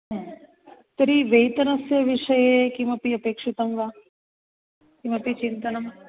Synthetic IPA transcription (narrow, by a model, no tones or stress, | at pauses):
ɦ | t̪ɐɾiʋejt̪ɐnɐsjɐʋiʂɐjekimɐpiɐpeːkʂit̪ɐmɡa | kimɐpit͡ʃint̪ɐnɐm